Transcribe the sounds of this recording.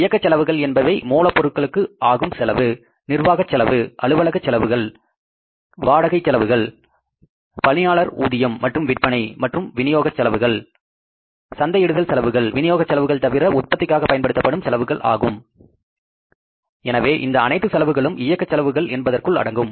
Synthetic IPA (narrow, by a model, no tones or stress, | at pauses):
ɪjɐkːɐt͡ʃːɛlɐʋɯɣɐɭɛnbɐʋɐɪmoːlɐpːɔɾɯʈ̚kɐɭɯkːɯaːɣɯmsɛlɐʋɯ | nɪrʋaːɣɐt͡ʃːɛlɐʋɯʔɐɭɯʋɐlɐɣɐt͡ʃːɛlɐʋɯɣɐɭ | ʋaːɽɐɣɐɪt͡ʃːɛlɐʋɯɣɐɭ | pɐlɪjaːɭɐɾuːðɪjɐmːɐʈrɯmʋɪʈ̚pɐɳɐɪmɐʈrɯmʋɪnɪjoːɣɐt͡ʃːɐlɐʋɯɣɐɭ | sɐnd̪ɐjɪɽɯðɐlsɛlɐʋɯɣɐɭʋɪnɪjoːɣɐt͡ʃːɐlɐʋɯɣɐɭt̪ɐʋɪɾɐʊt̪̚pɐt̪ːɪkːaːɣɐpːɐjɐnpɐɽɯt̪ːɐpːɐɽɯmsɛlɐʋɯɣɐɭʔa̰ːɣɯm | ɛnɐʋeːʔɪnd̪ɐɐnɐɪt̪ːɯsɛlɐʋɯɣɐɭɯmɪjɐkːɐt͡ʃːɐlɐʋɯɣɐɭʔɛnbɐðɐrkɯɭɐ̰ɽɐŋɡɯm